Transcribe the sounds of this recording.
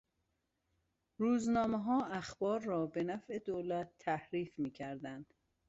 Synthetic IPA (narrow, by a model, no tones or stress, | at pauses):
ɾuːznɒːmeɦɒːæxbɒːɾːɒːbe̞næfʔe̞d̪oːlæt̪ʰːæhɾiːfmiːcʰæɾd̪ænd̪̥